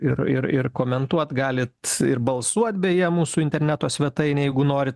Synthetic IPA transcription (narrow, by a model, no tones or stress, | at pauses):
ɪrɪ̰ɾɪ̰rkoːmʲɛnt̪uɔt̪ɡɑːlʲɪt̪ɪɾbɐlˠsuɔt̪ʲbʲeːjiɛmuːsuːɪnʲt̪ʲɛɾʲnʲæt̪oːsʲʋʲɛt̪ɐɪnʲjɛɪɡʊnoːɾʲɪt̪